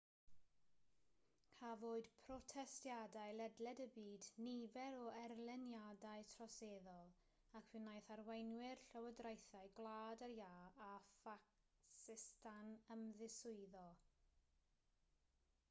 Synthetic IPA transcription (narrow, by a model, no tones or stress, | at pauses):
havoːɨd̥pʰrɔtʰɛstjadaɨlɛdlɛdəbiːdnivɛɾɔɛrlˠɛnjadaɨtʰrɔseːðɔlˠ | akʰwɪnajθarwejnwɪrɬəwədrajθaɨɡlˠaːdəɾjaːafak | sɪstʰanəmðɪsʊɨðɔ